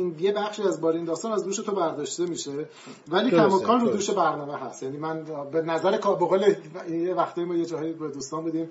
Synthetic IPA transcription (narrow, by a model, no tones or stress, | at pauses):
inje̞bæxʃiːæzbɒːɾeind̪ɒːst̪ɒːnæzd̪uːʃe̞t̪ʰobæɾd̪ɒːʃt̪e̞miːʃe̞ | væliːkʰæmɒːkʰɒːnɾuːd̪uːʃe̞bæɾnɒːmeɦæst̪jæniːmænbenæzæɾekʰːboɣoːleijevæxt̪ʰɒːjimɒːjed͡ʒɒːɦjibed̪uːst̪ɒːmbud̪iːm